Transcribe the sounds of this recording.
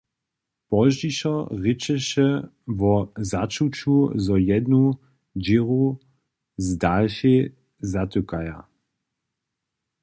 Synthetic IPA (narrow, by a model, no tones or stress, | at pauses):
pɔʒd͡ʒiʃɐʁɪt͡ʃɛʃɛ | vɔzat͡ʃut͡ʃuzɔjɛdnu | d͡ʒiʁu | zdalʃe | zat̪ukaja̰